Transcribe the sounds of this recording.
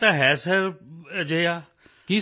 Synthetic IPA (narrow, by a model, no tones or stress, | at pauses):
aɦɛːsəɾd͡ʒeːjaː | ki